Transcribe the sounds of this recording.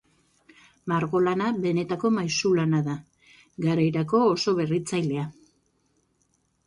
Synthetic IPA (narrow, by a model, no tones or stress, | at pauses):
maɾɣo̞lanabe̞ne̞t̪ako̞majsulanaða | ɡaɾajɾako̞ːso̞βe̞rit͡sajle̞a